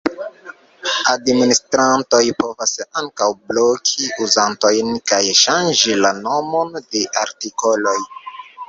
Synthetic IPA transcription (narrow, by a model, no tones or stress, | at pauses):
administɾanto̞jpo̞vasaŋkawblokʰiuzanto̞jnkajʃand͡ʒilano̞mo̞nde̞ʔaɾtiko̞lo̞j